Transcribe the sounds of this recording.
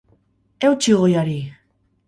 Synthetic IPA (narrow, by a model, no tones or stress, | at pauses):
ewt͡ʃiɣojaɾi